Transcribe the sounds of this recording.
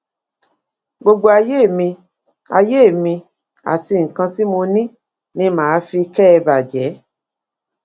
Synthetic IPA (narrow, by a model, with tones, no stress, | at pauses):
ɡ͡bo˧ɡ͡bo˧a˧je˦˨mĩ˧ | a̰˧je˦˨mĩ˧ | a̰˨ti˧ŋ̩˨kã˧si˦mo˧nĩ˦ | nĩ˨˦mãː˨˦fi˧kɛ˦ɛ˧ba˨d͡ʒɛ˨˦